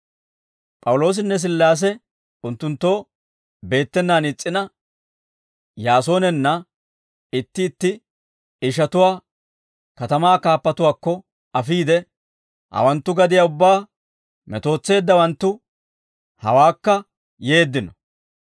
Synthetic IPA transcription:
pʼɐwʊlo̞ːs̬ɪnːɛs̬ɪlːaːs̬ɛ | ʊnt̪ːʊnt̪ːo̞ː | be̞ːt̪ːɛnːaːnɪt͡sʼːɪnɐ | jaːso̞ːnɛnːɐ | ɪt̪ːɪːt̪ːɪ | ɪʃ̬ɐt̪ʊwaː | kɐt̪ɐmaːkaːpːɐt̪ʊwaːkːɔ | ɐfiːd̪ɛ | hɐ̰wɐnt̪ːʊɡɐd̪ɪjaːʊbːaː | mɛt̪o̞ːt͡sːe̞ːd̪ːɐwɐnt̪ːʊ | hɐ̰waːkːɐ | je̞ːd̪ːɪnɔ

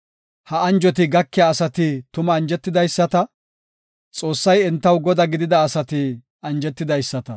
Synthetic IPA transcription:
hɐɐnd͡ʒɔt̪̬ɪɡɐkːɛjaːsɐt̪ɪt̪ʊmɐːnd͡ʒɛt̪ːɪd̪ɐjsːɐt̪ɐ | t͡sʼo̞ːsːɐjɛnt̪ːɐwɡɔd̪ɐɡɪd̪ɪd̪ɐːsɐt̪ɪ | ɐnd͡ʒɛt̪ːɪd̪ɐjsːɐt̪ɐ

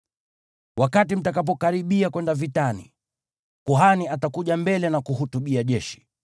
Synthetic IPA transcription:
wakatim̩takap̬ɔkaɾiɓiakwɛndavitanḭ | kuɦaniatakuʄambɛlɛnakuhutuɓiaʄɛʃi̥

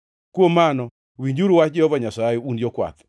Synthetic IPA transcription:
kwomːanɔ | wiɲd͡ʒuɾwat͡ʃd͡ʒɔvaɲasajɛunjɔkwa̰t̪

